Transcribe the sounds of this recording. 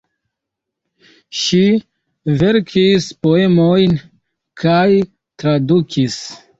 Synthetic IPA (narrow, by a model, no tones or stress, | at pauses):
ʃi | ve̞ɾkʰispo̞e̞mojn | kʰaj | tɾadukʰis